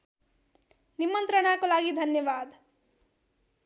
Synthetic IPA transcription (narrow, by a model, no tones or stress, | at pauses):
nimʌnt̪ɾənakolaɡid̪ʱʌnjʌbad̪